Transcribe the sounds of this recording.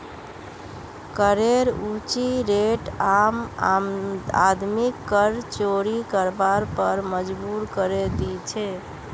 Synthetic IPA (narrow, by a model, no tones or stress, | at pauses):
kəɾeɾut͡ʃiɾeʈam | a̰d̪mikːəɾt͡ʃoɾikəɾbaɾpəɾməd͡ʒbuɾkəɾed̪it͡ʃʰɛ